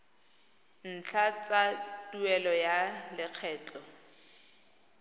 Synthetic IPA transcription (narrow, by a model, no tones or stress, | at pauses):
n̩t͡ɬʰat͡satuɛlɔjalɪq͡χʰɛːt͡ɬʼɔ